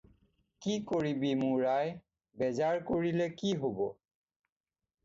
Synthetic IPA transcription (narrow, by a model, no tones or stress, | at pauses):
kikoɹibimʊɹaj | bɛzaɹkoɹilɛkiɦobɔ